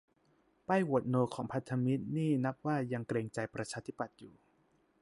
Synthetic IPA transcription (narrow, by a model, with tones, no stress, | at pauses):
pa˥˩jwu˨˩ət̪̚noː˧kʰɔː˩˦ŋpʰa˦˥t̪ʰːa˧mi˦˥t̪̚niː˥˩na˦˥p̚waː˥˩ja˧ŋkɾeː˧ŋt͡ɕa˧jpɾa˧t͡ɕʰaː˧t̪ʰi˦˥pa˨˩t̪̚juː˨˩